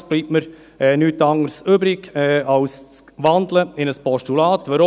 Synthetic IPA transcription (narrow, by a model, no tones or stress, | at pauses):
b̥liːpməɾ | ɛnyːt̪ɑŋəɾsyːbɾɪɡɛːɑʊsʋɑnd̪ləɪnəspɔʃtulɑːt̪ʋəɾo